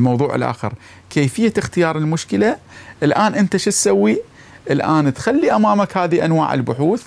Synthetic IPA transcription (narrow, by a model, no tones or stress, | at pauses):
mɑwðˤuːʕɪ̰lʔa̰ːxə̰ɾˤ | keːfɪjːaxt̪ɪjɑːɾˤɪlmʊʃkɪlaʔɪlʔaːnʔɪnt̪aʃɪt̪sawːi | ʔɪlʔaːnt̪xalːiʔamaːmakhaːðiʔanwa̰ːʕɪ̰lbʊħuːθ